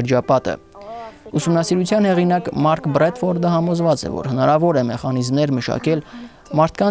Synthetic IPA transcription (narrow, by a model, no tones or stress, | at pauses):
əɾd͡ʒɑpɑt̪ə̰ | usumnɑsiɾut͡sʰjɑnhɛʁinɑkmɑɾkbrɛt̪fɔɾd̪əhɑmɔzvɑt͡sɛ̰vɔ̰ɾhənɑɾɑvɔɾɛmɛχɑnizmnɛɾməʃɑ̰kɛl | mɑɾt̪ʰkɑn